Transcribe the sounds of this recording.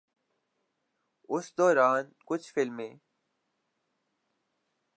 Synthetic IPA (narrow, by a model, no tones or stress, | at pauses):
ʊsd̪oːɾaːnkʊt͡ʃʰfɪlmẽː